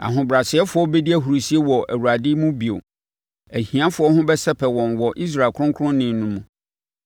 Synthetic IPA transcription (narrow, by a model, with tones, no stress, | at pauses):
a̰˨ɦʊ̃˨bɾa˨sɪ˨ɛ˦fʊ˦ɔ˦bɛ˦di˦æ˦ɦu˨ɾu˨si˦e˦wɔ˨ʔæ˨wu˨ɾa˨dɪ˦mũ˦bi˨o̰˨ | æ˨hĩ˨ã˦fʊ˨˦ɔ˦hʊ̃˦bɛ˦sɛ˦pʰɛ˨wɔ̃˨nwɔ˨ʔi˦s̬ɾa˨lkʰʊ̃˦kʰʊ˦ɾʊ̃˦nɪ̃˨n˦nũ˦mũ˨